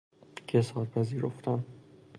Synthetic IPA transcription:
cʰesɒːɾpʰæziːɾoft̪ʰæn

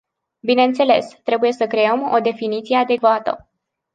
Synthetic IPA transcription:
bineɨnt̪se̞le̞̰st̪ɾe̞buje̞səkɾe̞əmo̰d̪e̞finit̪sije̞ad̪e̞kvat̪ə̰

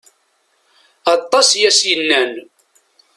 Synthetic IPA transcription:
ɑt̪ˤːɑsjæsjənːæn

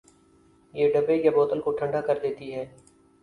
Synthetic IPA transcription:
jeːɖəbekabɔːt̪əlkoʈʰə̃ɳɖaːkəɾd̪eːt̪iɦɛː

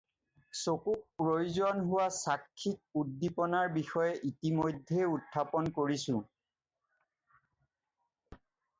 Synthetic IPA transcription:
sokuk̚pɹojzɔnɦʊwasakʰːik̚udːipɔnaɹbixɔjɛʔitimojdʱːeutʰːapɔnkoɹisʊ̃

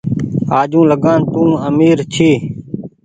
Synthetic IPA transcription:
aːd͡ʒũːləɡaːnt̪ũːəmiːɾt͡ʃʰiː

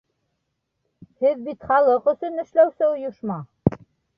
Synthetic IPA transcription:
hɘðbit̪χɑlˠɤqɵ̆sɵnɘ̆ʃlæwsɘŏjŏʃmɑ

